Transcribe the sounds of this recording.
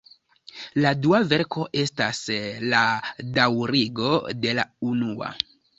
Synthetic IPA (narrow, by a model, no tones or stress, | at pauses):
laduave̞ɾko̞ʔe̞stasladawɾiɡo̞de̞launua̰